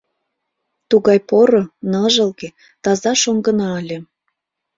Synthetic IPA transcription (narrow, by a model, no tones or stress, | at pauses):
t̪uɣɑjpoɾonɑʒə̆lɣe | t̪ɑzɑʃoŋɡənɑəlʲĕ